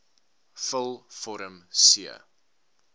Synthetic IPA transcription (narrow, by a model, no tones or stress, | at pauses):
fəlˠfɔɾəmsiə̰